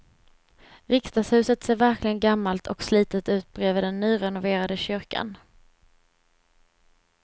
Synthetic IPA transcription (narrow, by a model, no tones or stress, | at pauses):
ɾɪkst̪ashʉ̟ːsət̪seːɾvæɾklɪɡənɡamːalt̪ʰɔksliːt̪ət̪ʉ̟ːt̪̚bɾeːvəd̪ɛnːyːɾɛnʊveːɾad̪əɕʏɾka̰n